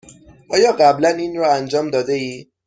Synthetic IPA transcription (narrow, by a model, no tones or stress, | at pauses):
ʔɒːjɒːɢæblæniːnɾɒːænd͡ʒɒːmd̪ɒːd̪eiː